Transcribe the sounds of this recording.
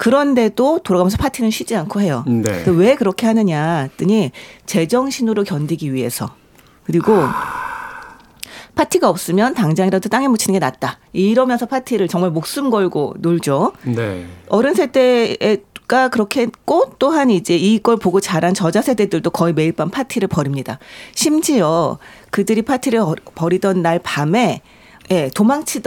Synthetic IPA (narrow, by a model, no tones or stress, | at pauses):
kɯɾʌnde̞dotoɾaɣamjʌnsʰʌpʰatʰinɯnɕʰɥid͡ʑiankʰoɦe̞jonetowe̞kɯɾʌkʰe̞ɦanɯɲat͈ɯɲit͡ɕe̞d͡ʑʌŋɕʰinuɾokjʌndiɡiɥiɦe̞̰sʰʌ | kɯɾiɡo | pʰatʰiɡaʌp̚s͈ɯmjʌntaŋd͡ʑaŋiɾadot͈aŋemut͡ɕʰinɯnɡe̞nat̚t͈aiɾʌmjʌnsʰʌpʰatʰiɾɯɭt͡ɕʌŋmaɭmok̚s͈ɯmɡʌɭɡo̰noɭd͡ʑoneʌɾɯnsʰe̞de̞ː | ɡ̥akɯɾʌkʰek͈ot͈oɦanid͡ʑe̞iɡʌɭpoɡot͡ɕaɾɦant͡ɕʌd͡ʑasʰe̞de̞dɯɭdokʌime̞iɭp͈anpʰatʰiɾɯɭpʌɾimɲidaɕʰimd͡ʑiʌkɯdɯɾipʰatʰiɾɯɭpʌɾidʌnːaɭpame̞ | je̞tomaŋt͡ɕʰid